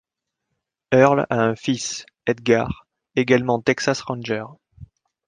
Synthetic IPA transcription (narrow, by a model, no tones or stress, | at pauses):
œʁlaɛ̃fis | ɛd̪ɡaʁ | eɡalmɑ̃t̪ɛksasʁɑ̃nʒɛʁ